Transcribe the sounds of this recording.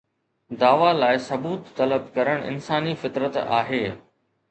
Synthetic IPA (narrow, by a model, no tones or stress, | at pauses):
d̪aːʋalaːɪsɐbuːt̪ːɐləb̚kɐɾəɽ̃ɪ̰nsaːnifɪt̪ɾət̪a̰ːɦeː